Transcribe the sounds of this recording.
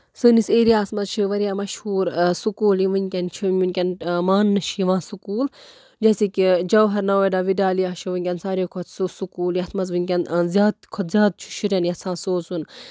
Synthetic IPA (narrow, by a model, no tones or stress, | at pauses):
sɨːniseːɾijaːsmɐzt͡ʃʰiʋɐɾijaːmɐʃhuːɾsukuːliʋɨnʲkʲɐnt͡ʃʰiɨnʲkʲɐnmaːnːɨt͡ʃʰjiʋãːsukuːl | d͡ʒɐːsiːkid͡ʒɐwɦɐɾnɐʋojɖaːʋiɖaːlijaːʃʰiʋɨnʲkʲɐnsaːɾeːkʰot̪susukuːljɐsmɐzʋɨnʲkʲɐnzʲjaːd̪̚kʰɔt̪zʲjaːd̪̚t͡ʃʰi̥ʃʰiɾjɐnjɐsʰãːsoːzun